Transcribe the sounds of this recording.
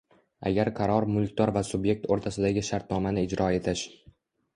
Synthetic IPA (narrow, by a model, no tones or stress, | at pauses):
a̰ɡʲaɾqʰɑɾɒɾmʊlˠkʲt̪ɒɾvasʊbje̞k̚ʲt̪oɾt̪ʰasɪd̪aɡʲɪʃaɾt̪̚nɒmanɪɪd͡ʒɾʔɒe̞t̪ʰɪʃ